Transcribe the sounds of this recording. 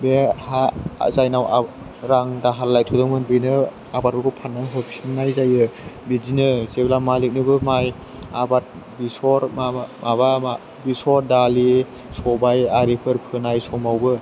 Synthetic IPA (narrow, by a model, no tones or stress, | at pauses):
beha̰zajnawa | ɾaŋdaɦalːajtʰudɯŋmɯnbɯjnɯ | abat̚bɯkʰɔpʰanːaɦɔpʰi̥snnajzajɯbizinɯzeblamalik̚nɯbɯmaj | abat̚ | bisɔɾmamaba | bisɔɾdali | sɔbajaɾipʰɯɾpʰɯnajsɔmawbɯ